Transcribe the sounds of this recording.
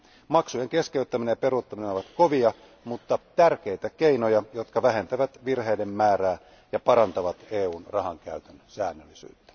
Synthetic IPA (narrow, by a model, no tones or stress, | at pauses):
mɑksujeŋke̞skeyt̪ːæmineɑpe̞ɾut̪ːɑminenoʋɑt̪koʋiɑ | mut̪ːɑt̪ærk̟ejt̪ækeinojɑjot̪kɑʋæɦe̞nt̪æʋæt̪ʋirɦe̞idemːæːɾæː | jɑpɑɾɑnt̪ɑʋɑt̪eːuːnrɑɦɑŋkæyt̪ænsæːnːølːisy̰ːt̪ːæ̥